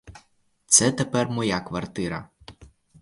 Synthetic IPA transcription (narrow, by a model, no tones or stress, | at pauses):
t̪sɛt̪epɛrmɔjakʋɐrt̪ɪɾɐ